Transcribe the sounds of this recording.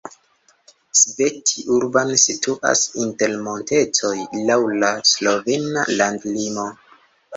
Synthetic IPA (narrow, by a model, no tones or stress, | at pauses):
svetʰiʔuɾbansituʔa̰sinte̞lmo̞nte̞t͡so̞jlawlaslo̞vena̰landlimo̞